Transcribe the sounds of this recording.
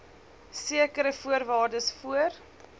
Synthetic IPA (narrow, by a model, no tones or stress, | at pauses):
siəkəɾəfuərvɑːrdəsfuər